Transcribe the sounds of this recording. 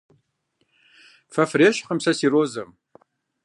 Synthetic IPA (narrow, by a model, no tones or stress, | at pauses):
fɐfreːʃχəmsɐsiːroːzɐm